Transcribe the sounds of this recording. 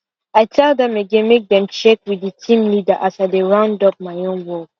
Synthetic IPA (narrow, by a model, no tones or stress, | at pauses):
aɪtʰadɛ̃meɡɛ̃nmek̚dɛ̃mt͡ʃɛkwiitʰĩmlidaʔasaɪdeɹãʊ̃ndɔp̚maɪõnwɔd